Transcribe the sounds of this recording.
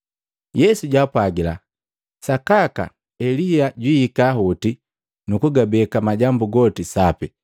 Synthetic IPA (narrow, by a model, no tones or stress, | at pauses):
jɛsuɟapwaɡila̰ | sakaka̰ | ɛlijaɟwiikaːɦuti | nukuɡabɛkamaɟambuɡɔtisapi